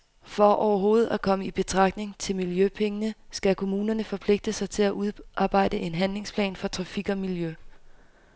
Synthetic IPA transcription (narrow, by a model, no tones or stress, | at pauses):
fɒ̽ʔɒʊɐɦo̝ːð̞̩ˠækʰɒ̽məib̥e̝t͡sʰʁɑ̈ɡ̥ne̝ŋt͡sʰe̝lmiljøpʰeŋənəsɡ̥ækʰo̝muːnɐnəfɒ̽pʰle̝ɡ̥̚d̥əsɑ̈ɪt͡sʰe̝læʔuðˠʔɑ̈ːb̥ɑ̈ɪ̰d̥əʔe̝nɦænle̝ŋspʰlɛ̰ːnfɒ̽t͡sʰʁɑfiɡ̥ɒ̽miljø